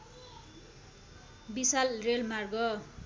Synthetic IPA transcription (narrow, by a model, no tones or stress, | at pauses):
bisalrelmarɡʌ